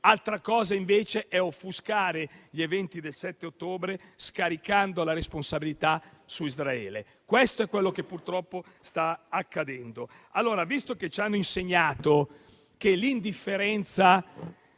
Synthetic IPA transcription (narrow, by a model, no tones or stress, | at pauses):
alt̪ɾakɔːzaiɱveːt͡ʃeʔɛofːuskaːɾeʎevɛnt̪id̪elsɛt̪ːeot̪ːoːbɾeskaɾikand̪olaɾesponsabilit̪asuizɾaɛ̰ːle | kwest̪oɛkːwelːokepːurt̪ɾɔpːo | st̪aakːad̪ɛnd̪o | alːoːɾavist̪oket͡ʃanːoinseɲːaːt̪o | kelind̪ifːeɾɛnt̪sa